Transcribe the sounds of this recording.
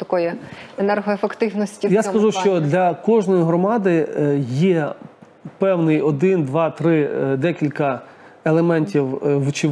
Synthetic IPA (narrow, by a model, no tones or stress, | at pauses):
t̪ɐkɔjɛenɛrɦɔefekt̪ɪwnɔsʲtʲijaskɐʒuʃt͡ʃt͡ʃɔd̪lʲɐkɔʒnɔjiɦɾɔmɑd̪ɪjɛ | pɛwnɪjɔd̪ɪnd̪ʋɑt̪ɾɪd̪ɛkʲilʲkɐ | elˠemɛnʲtʲiwʋt͡ʃɪ